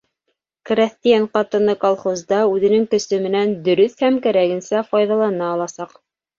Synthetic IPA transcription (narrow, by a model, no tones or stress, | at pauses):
krʲæst̪ijanqɑt̪ɤ̆nɤkɑlˠχozd̪ɑʉðɘ̆nɘŋkɵ̆sɵmɘ̆nænd̪ɵ̆ɾɵθhæmkæɾæɡɘ̆nsæfɑjðɑlˠɑnɑːlˠɑsɑq